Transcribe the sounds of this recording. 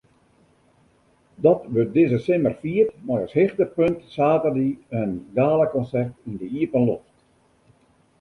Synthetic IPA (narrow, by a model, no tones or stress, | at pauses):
dɔtʋøt̚dɪzəsɪmərfiətmɔjɔshɪxtəpøntsaːtərdiənɡaːləkɔnsɛrtindəiəpənloxt